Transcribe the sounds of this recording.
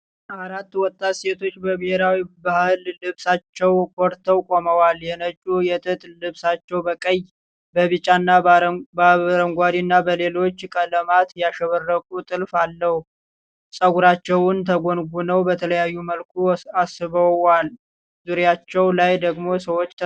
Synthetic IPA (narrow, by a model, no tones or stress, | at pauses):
aɾat̪ːwɔt̪ʼːat̪se̞t̪ʰo̞t͡ʃːbəbɪheɾawibahɨlːɨβsat͡ʃːɛwkʰoɾt̪ʰːəwkʼoməwaljɛnət͡ʃʼujɛt̪ʼɨt̪ʼllɨβsat͡ʃːɛwbəkʼəj | bəβɨt͡ʃʼːanːabaɾəŋɡʷad̪inːabəle̞lo̞t͡ʃːkʼələmat̪jaʃɛβərːəkʼut̪ʼɨlfalːəhu | sʼəɡuɾat͡ʃːɛwʊnt̪ʰəɡonɡunəwbət̪ʰələjajːuməlkʰuasɨβəal | zuɾjat͡ʃːɛwlajd̪əɡmo̞səwo̞t͡ʃ̪ːʰ